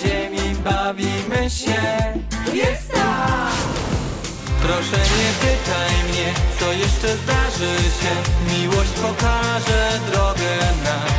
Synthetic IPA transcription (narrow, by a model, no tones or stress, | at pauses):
ɛmʲibavʲimɘɕɛjɛst̪a | pɾɔʂɛɲɛpɘt̪ajmɲɛt̪sɔjɛʂt͡ʂɛzd̪aʐɘɕɛmʲiwɔɕt͡ɕpɔkaʐɛd̪ɾɔɡɛna